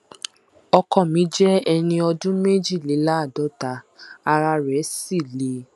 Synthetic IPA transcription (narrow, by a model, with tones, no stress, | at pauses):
ɔ˧kɔ˦˨mĩ˨˦d͡ʒɛ˦ɛ˧nĩ˧ɔ˧dũ˦me˦d͡ʒi˦˨le˨˦la˦˨dɔ˨˦ta˨˦ | a˧ɾa˧ɾɛ˨˦si˦˨le˨˧˦